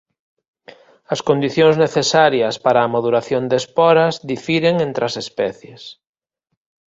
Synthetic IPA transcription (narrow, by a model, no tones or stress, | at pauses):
ɐskond̪iθjoŋzneθesaɾjɐspaɾaːmaðuɾaθjond̪espɔɾɐzðifiɾeŋẽnt̪ɾɐsespɛθjes